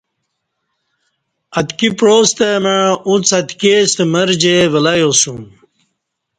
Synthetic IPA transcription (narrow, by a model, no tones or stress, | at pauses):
ɐt̪kipɾoːst̪emeɻũt͡sɐt̪kest̪məɾd͡ʑeʋəlajosum